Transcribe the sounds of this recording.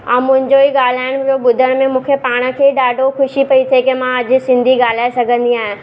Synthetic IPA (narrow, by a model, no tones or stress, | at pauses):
ɐ̃mʊ̃ɦɪ̃ɲd͡ʑoiɠaːl̤aːɪɽ̃d͡ʑoːɓʊd̪ʱəɽ̃mẽmũːkʰepaːɽ̃ə̆kʰeːɗaːɖʱoxʊʃipɐit̪ʰekemãɐd͡ʑʊ̆sɪ̃nd̪ʱiɡaːl̤aːesɐɡʱə̃nd̪iaːɦɪ̃